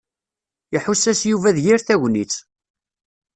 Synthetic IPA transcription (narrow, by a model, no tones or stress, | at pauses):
iħusːæsjuvæðjiɾθæʝnit͡sː